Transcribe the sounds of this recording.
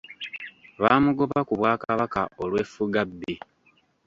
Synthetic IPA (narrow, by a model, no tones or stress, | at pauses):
βaːmuɡoβakuβwaːkaβaka̰ʔolwefuɡabːi